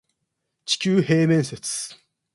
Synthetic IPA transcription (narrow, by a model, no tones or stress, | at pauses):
t͡ɕi̥kʲɨːheːmẽɰ̃set͡sɨ̥